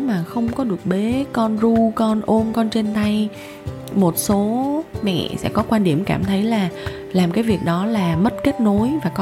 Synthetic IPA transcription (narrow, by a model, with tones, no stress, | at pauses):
maː˨˩xə˧wŋ͡mkɔ˨˦ɗɨ˨˩ək̚ɓe˨˦kɔ˧nzu˧kɔ˧nʔo˧mkɔ˧nt͡ɕe˧nt̪a˧j | mo˨˩t̚so˨˦mɛ̰˧˨sɛ̰˧˥kɔ˨˦kwaː˧nɗi˧˩əmka̰ː˧˩mt̪ʰə˨˦jlaː˨˩ | laː˨˩mkaː˨˦jvi˨˩ək̚ɗɔ˨˦laː˨˩mə˦˥t̚ke˦˥t̚no˨˦jvaː˨˩k